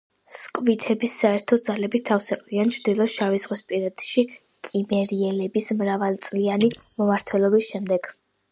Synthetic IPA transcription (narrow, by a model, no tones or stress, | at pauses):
skʼvit̪ʰɛbisːaɛɾt̪ʰɔd̪zalɛbit̪ʰafsɛqʼliant͡ʃʰɾd̪ilˠɔsʃavizʁwispʼiɾad̪̥ʃi | kʼimɛɾiɛlɛbismɾavalˠt̪sʼlianimɔmaɾt̪ʰwɛlˠɔbisʃɛmd̪ɛɡ̥